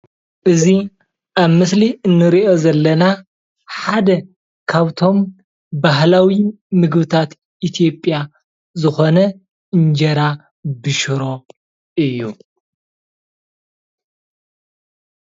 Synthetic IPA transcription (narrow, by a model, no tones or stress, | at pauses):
ʔɨzi | ʔaβmɨsliɨnːɨɾiʔo̞zɐlːɐna | ħad̪ɐ | kʰaβt̪ʰo̞m | baɦlawi | mɨɡbɨt̪ʰat̪ | ʔit̪ʰijo̞pʼːja | zɨxo̞nɐ | ɨɲd͡ʒɐɾa | bɨʃɨɾo̞ | ʔɨjːu